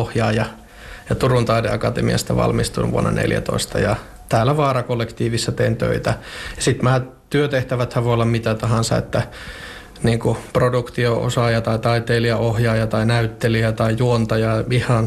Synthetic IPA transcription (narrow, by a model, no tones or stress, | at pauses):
ohjɑːjɑ | jɑt̪urunt̪ɑidḛɑkɑt̪ḛmḭɑ̰st̪æ̰ʋɑ̰lmist̪ṵnʋṵo̰nːɑ̰nḛljæ̰t̪o̰ist̪ɑ̰jɑ | t̪æːlːæʋɑːrɑkolːekt̪iːʋisːɑt̪eint̪ø̰it̪æjɑsit̪mæː | t̪yøt̪eht̪æʋæt̪hæʋoˑiolːɑmmit̪æt̪ɑhɑnsɑḛt̪ːæ | niːŋkuprodukt̪ioʔo̰sɑːjɑt̪ɑit̪ɑit̪eːliɑohjɑːjɑt̪ɑinæyt̪ːeliæt̪ɑijuont̪ɑjɑihɑn